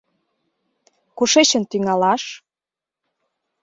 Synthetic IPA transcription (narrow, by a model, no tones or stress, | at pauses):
kuʃeɕə̆nt̪yŋɑlɑʃ